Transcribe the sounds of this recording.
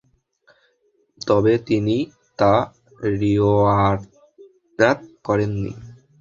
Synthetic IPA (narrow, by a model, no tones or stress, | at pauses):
t̪ɔbet̪ini | t̪a | ɾioaɾ | at̪̚kɔɾenːḭ